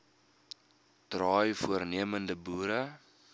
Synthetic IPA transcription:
trɑːjfuərniəməndəbuːɾə

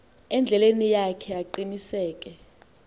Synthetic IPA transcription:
ɛnd͡ɮʱɛlenijakʰɛaǃinisɛːk̬ʼɛ

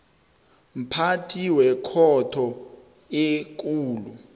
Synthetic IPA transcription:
m̩pʰatʰʼiwɛkʰɔtʰɔ | ek̬ʼuːlu

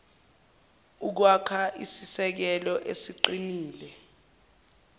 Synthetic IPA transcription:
uk̬wakʰaʔisisɛk̬ɛlɔʔesiǃiniːlɛ

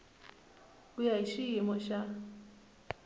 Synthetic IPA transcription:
ujaiʃiimɔʃa

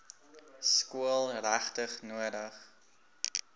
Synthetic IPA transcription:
skuəlˠræχtəχnuədəχ

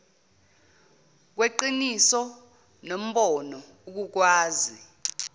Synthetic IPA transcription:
k̬weǃinisɔ | nom̩ɓɔnɔ | uk̬uk̬waːzi

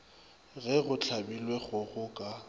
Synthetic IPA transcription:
ɣɛɣʊt͡ɬʰabilweɣʊɣʊkʼa

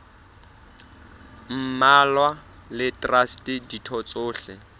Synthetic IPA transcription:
m̩malwa | lɪtʼrastɪditʰɔt͡sʼʊːɬɛ

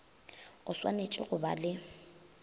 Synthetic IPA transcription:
ʊswa̰net͡ʃʼɪɣʊbalɪ

